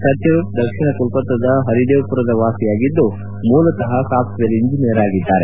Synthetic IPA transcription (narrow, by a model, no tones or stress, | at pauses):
pɾɐt̪jɐd̪ɐkʂiɳɐk̪ulpɐt̪ːɐd̪ɐɦɐɾid̪eːpuɾɐd̪ɐʋaːsijaːɡid̪ːu | muːlɐt̪ɐɦɐsaːpsʋeliɲd͡ʒinijɐɾaːɡid̪ːaːɾe